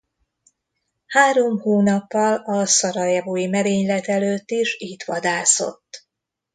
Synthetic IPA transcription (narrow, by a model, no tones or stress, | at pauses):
haːɾo̞mhoːnɒpːɒlɒsɒɾɒjɛvoːjimɛɾeːɲlɛt̪ɛløːt̪ːiʃiːt̪ʋɒd̪aːso̞̰t̪ː